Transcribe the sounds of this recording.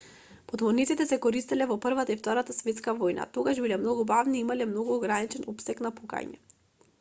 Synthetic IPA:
pɔt̪mɔnit̪sit̪ɛsɛkɔɾist̪ilɛvɔpr̩vat̪aift̪ɔɾat̪asvɛt̪skavojna̰t̪oɡaʃbilɛmnɔɡubavniːimalɛmnoɡuoɡɾanit͡ʃɛnopsɛknapuka̰ɲɛ̰

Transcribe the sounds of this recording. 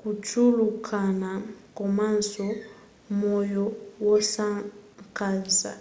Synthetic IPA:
kut͡ʃulukʰanakɔmansɔ | mojɔwɔsakanza̰

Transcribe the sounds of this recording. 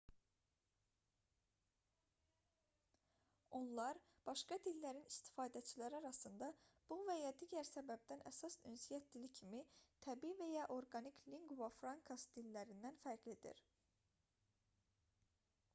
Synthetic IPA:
o̞nlˠɑɾ | b̥ɑʃkɑd̪ilːæɾinist̪i̥fɑːd̪æt͡ʃʰilæɾiɑɾɑsɯnd̪ɑb̥uvæjɑd̪iːɟæɾsæbæb̚d̪ænʔæsɑsynsijæt̪̚d̪ilicʰimit̪ʰæbiːvæjɑʔo̞ɾɡɑnikʰliŋɡvɑfɾɑŋkʰɑsd̪̥ilːæɾind̪ænfæɾɡled̪ḭɾ

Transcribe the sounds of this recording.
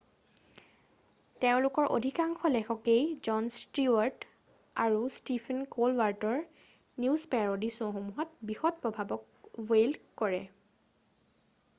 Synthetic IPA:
teʊ̃lʊkɔɹʔo̰dʱikaŋxʰɔlɛxɔkejzɔnstiwaɹt | aɹustipʰɛnkolwaɹtɔɹ | nuzpɛɹodisɔ̃xomuɦɔt̚bixɔt̚pɹɔbʱabɔk | welkɔɹɛ

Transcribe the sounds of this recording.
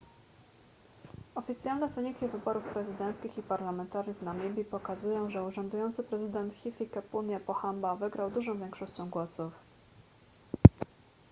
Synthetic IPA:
ɔfʲit̪sʲjalnɛvɘɲikʲivɘbɔɾufpɾɛzɘd̪ɛnt̪skʲixipaɾlamɛnt̪aɾjuvnamʲibʲipɔkazujɔ̃w̃ʐɛuʐɔnd̪ujɔnt̪sɘpɾɛzɘd̪ɛnt̪xʲifʲikɛpunjapɔxambavɘɡɾawd̪uʐɔ̃w̃vʲjɛŋkʂɔɕt͡ɕɔ̃w̃ɡwɔsuf

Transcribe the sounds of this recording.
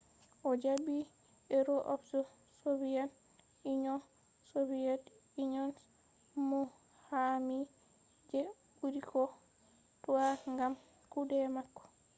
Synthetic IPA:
ʔɔd͡ʒabi | ɛɾɔʔɔfsɔ | sovijan | iɲɔ | soviɛt | iɲɔns | mu | hami | d͡ʒɛ | buɾikɔ | tɔwaŋɡam | kudɛmakːɔ̥

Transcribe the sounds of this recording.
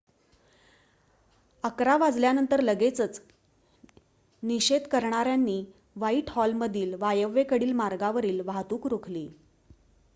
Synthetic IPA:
əkɾaʋad͡zljanənt̪əɾləɡet͡sət͡s | niɕed̪kəɾɳaɾjanːiː | ʋaiːʈhɔlməd̪ʱiːlʋajəʋekəɽiːlmaɾɡaʋəɾiːlʋaɦt̪uːkɾokʰliː

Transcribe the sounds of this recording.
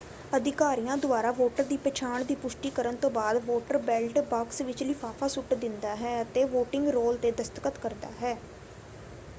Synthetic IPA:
əd̪ɪkaːɾijãːd̪ʊaːɾaːʋoːʈəɾd̪iːpɛːt͡ʃʰaːɳd̪iːpʊʃʈiːkəɾənt̪õːbaːd̪ʋoːʈəɾbɛlʈbaːksʋɪt͡ʃlɪfʰaːpʰaːsʊʈd̪ɪnd̪aːɦɛːət̪eːʋoːʈɪ̃ŋɡɾoːlt̪eːd̪əst̪əkət̪kəɾd̪a̰ːɦɛː

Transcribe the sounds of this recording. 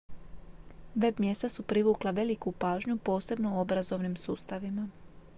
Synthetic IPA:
ʋe̞bmje̞st̪asupɾiʋuːklˠaʋe̞likupaːʒɲupo̞ːse̞bno̞uo̞bɾazo̞ʋnimsuːst̪aʋima

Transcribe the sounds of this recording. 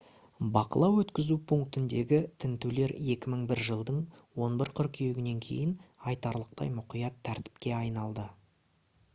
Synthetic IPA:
bɑqə̰lˠɑwɵt̪kʲɪzupʰuŋk̚t̪ɪnd̪e̞̰ɡʲɪt̪ʰɪnt̪ule̞ɾe̞kʲɪməɴbɪɾʒəlˠd̪əɴwo̞nbɪɾqʰʏɾkʲʰije̞ɡʲɪne̞ŋkʲʰe̞̰jɪnɑjt̪ɑɾlˠəq̚t̪ɑ̰jmʊqijɑt̪ʰːæɾt̪ɪ̥p̚kʲe̞ɑjnɑlˠd̪ə

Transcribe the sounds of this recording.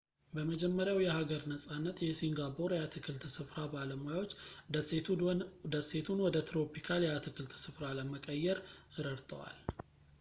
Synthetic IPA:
bəməd͡ʒɛmːəɾjawjɛhaɡəɾnəsʼanːət̪jɛsiŋɡapʰoɾjat̪ʰɨkʰɨlt̪sɨfɾabaləmojawot͡ʃː | d̪əsːe̞t̪ʰunwɔd̪ət̪ɾo̞pikʰaljɛat̪ʰɨkʰɨlt̪sɨfɾaləməkʼəjːɛɾɨɾəɾt̪ʰʼə̰wa̰l

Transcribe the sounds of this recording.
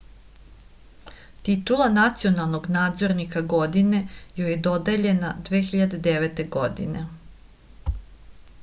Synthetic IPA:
t̪it̪ulˠanat̪sio̞nalˠno̞ɡnaːd̪zo̞ɾnikaɡo̞d̪ine̞jojed̪o̞d̪eʎe̞nad̪ʋeːxiʎad̪e̞d̪eʋet̪e̞ɡo̞d̪ḭne

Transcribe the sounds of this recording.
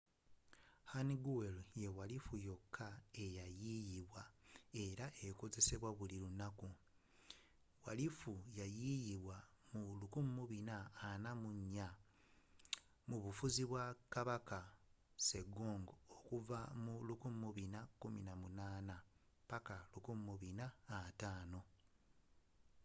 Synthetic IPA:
haniɡuweljewalifujo̞kʰːaejajijiβwae̞ɾaʔeko̞ze̞se̞βwaβuliɾunaku | wa̰lifujajijiβwa | mulukumumuβinaːnamuɲːa | muβufuziβwakaβaka | se̞ɡoːŋɡookuvamulukummuβinakuminamunaːna | pakalukumːuβinaːtaːno̞

